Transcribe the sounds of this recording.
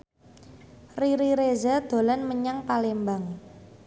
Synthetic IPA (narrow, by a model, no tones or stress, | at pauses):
riɾiɾezad̪̥o̤lanməɲaŋpalembaŋ